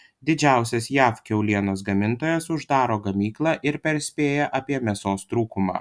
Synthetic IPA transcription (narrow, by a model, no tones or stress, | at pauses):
d̪ʲɪd͡ʒʲæˑʊsʲɛsjæːfkʲɛʊlʲiɛnoːs̬ɡɐmʲɪnt̪oːjɛsʊʒd̪ɑːɾoːɡɐmʲiːklˠɑːʔɪɾpʲɛɾʲsʲpʲeːjɛʔɐpʲiɛmʲɛsoːst̪ɾuːkʊmɑ̰ː